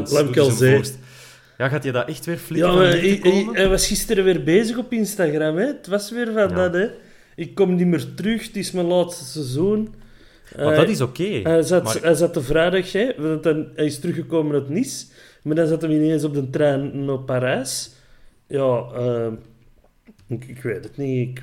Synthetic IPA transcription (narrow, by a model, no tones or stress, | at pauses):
laːmkɑlˠze | jaːɣaːtjədaːʔɛxtʋɪːrfljɑː | ɛjʋasxɪstəɾəʋɪːrbeːzəɣɔpɪnstaɣramɛətʋasʋɪːrvɑndanɛ | ɪkːɔmnimərtɾʏxtɪsmɛnlaːt̪stəsəzun | əadatɪsokeːhɛzatɛzatəvrɛːdaxɛʋtanɛɪstəɾʏxəkoːmənətnis | maːrdɑnzatəmɪneːnzɔb̚dəntrɛːnnopːaɾɛːs | jɑːəː | ɪkɪkʋeːtətniɪk